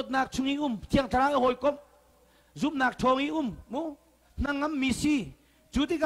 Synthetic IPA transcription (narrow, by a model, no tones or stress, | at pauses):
ɔt̪̚naːk̚t͡sʰuŋiʔumt̪ʰiəŋtʰaɾaːʔaɦɔjkɔm | zup̚naːk̚tʰɔːŋiʔumːu | n̥ɐŋːɐmːisi | t͡sut̪̬ik